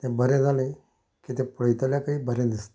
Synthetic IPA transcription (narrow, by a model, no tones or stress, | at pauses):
t̪ɛ̃bəɾẽd͡zalẽ | kit̪ɛ̃pɽəjt̪aljakaɦiːbəɾẽd̪ist̪e̥